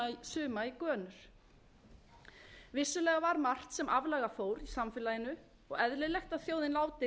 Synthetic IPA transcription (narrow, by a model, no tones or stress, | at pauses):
jsʏːmaikœːnʏɾ̥ | vɪsːʏlɛːɣavaɾmar̥t̪sɛmʔavlaːɣafoːwɾisamfɪlajɪnʏ | ɔɣɛðlɪlɛxt̪aðθjoːwðɪnlaːwt̪ɪ